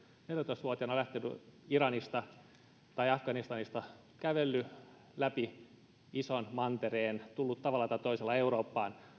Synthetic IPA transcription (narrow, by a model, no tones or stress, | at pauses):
neljæt̪oist̪ʋuot̪iɑnɑlæht̪enyiɾɑnist̪ɑ | t̪ɑiɑfɡ̥ɑnist̪ɑnist̪ɑ | kæʋelːy | læpi | isonmɑnt̪ereːnt̪ulːut̪t̪ɑʋɑlːɑt̪ɑt̪oiselːɑeuroːpːɑːn